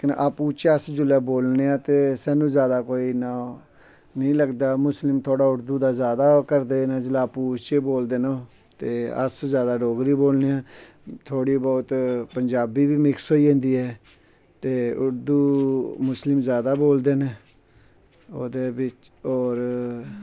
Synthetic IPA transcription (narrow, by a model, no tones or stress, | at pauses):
knʔaːpuːt͡ʃəsd͡ʒʊlɛːboːlneːãːt̪eːsɛ̃ːnũːzjaːd̪aːkoːiːnãː | nəĩːləɡd̪aːmʊslɪmt̪ʰoːɽaːʊɾd̪uːd̪aːzjaːd̪aːkəɾd̪eːnẽːd͡ʒʊlaːpuːt͡ʃeboːld̪eːnoː | t̪eːə̰szjaːd̪aːɖoːɡɾiːboːlneːãː | t̪ʰːoːɽiːbɔːt̪pəɲd͡ʒaːbiːbiːmɪksɦoːiːẽːnd̪iːɛː | t̪eːʊɾd̪uːmʊslɪmzjaːd̪aːboːld̪eːneː | oːd̪eːbɪt͡ʃ | ɔːɾ